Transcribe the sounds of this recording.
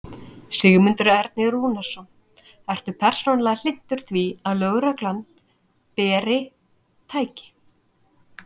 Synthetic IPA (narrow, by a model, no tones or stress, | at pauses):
sɪɣmʏnt̪ʏɾɛɾt̪̚nɪɾuːnasɔn | ɛr̥t̪ʏpʰɛr̥soːnalɛɣal̥ɪn̥t̪ʏɾ̥θviaðlœːɣɾaklan | pɛːɾɪ | t̪ʰaːjcɪ̥